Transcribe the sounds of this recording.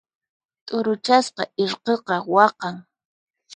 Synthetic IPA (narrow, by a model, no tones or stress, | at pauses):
t̪ʼʊɾʊt͡ʃasqɑʔɪɾqeqɑwɑqɑŋ